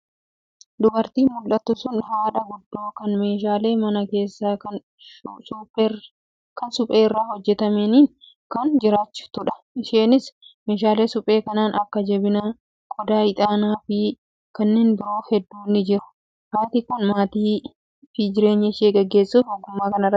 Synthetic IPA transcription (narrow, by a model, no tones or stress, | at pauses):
d̪ʊbɐɾt̪iːmʊlʔɐt̪ːʊsʊnɦaːᶑɐɡʊd̪ːoːkɐnme̞ːʃ̬aːle̞ːmɐnɐke̞ːsːaːɐ | sup | kɐnsʊpʼeːɪrːaːhɔd͡ʒːɛt̪ɐmeniːn | kɐnd͡ʒɪɾaːt͡ʃːʊ̥t̪ʊᶑɐ̥ʔɪʃeːnɪsme̞ːʃ̬aːle̞ːsʊpʼe̞ːkɐnaːnɐkːɐd͡ʒɛbɪnaː | kʼɔd̪aːɪt̪ʼaːnaːfi | kɐnːeːnbɪɾo̞ːfɛd̪ːuːnːɪd͡ʒɪɾʊ̥ | haːt̪ɪkʊnmaːt̪iː | fɪd͡ʒɪɾe̞ːɲːɐɪʃeːɡɛɡːe̞ːsːuːfoɡːʊmːaːkɐnɐrɐ